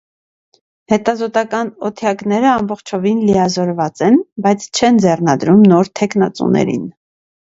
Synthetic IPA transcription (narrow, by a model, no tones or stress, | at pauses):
hɛt̪ɑzɔt̪ɑkɑnɔt̪ʰjɑknɛɾəɑmbɔχt͡ʃʰɔvinlijɑzɔɾvɑt͡sɛnbɑjt͡sʰt͡ʃʰɛnd͡zɛrnɑd̪ɾumnɔɾt̪ʰɛknɑt͡sṵnɛ̰ɾḭn